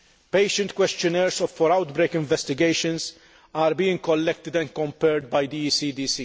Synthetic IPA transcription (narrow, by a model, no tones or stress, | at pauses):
pejʃə̃nt̪̚kwɛst͡ʃ̪jɔnɛɾsɔffɔɾɐwt̪bɾejkɪ̃ɱvɛst̪ɪɡejʃə̃ns | aːɾbiːɪ̃ŋkɔlːɛk̚t̪ɪd̪ɛ̃nkɔ̃mpɛɾd̪̚bɐjd̪iiːsiːd̪iːsi